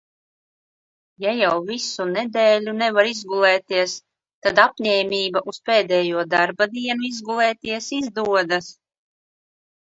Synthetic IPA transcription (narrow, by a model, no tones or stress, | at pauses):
jajawvisunɛd̪ɛːlʲunɛvaɾizɡulˠɛːt̪iɛs | t̪ad̪apɲɛːmʲiːbaʔuspeːd̪ɛːjuɔd̪aɾbad̪iɛnuizɡulˠɛːt̪iɛsizd̪uɔd̪as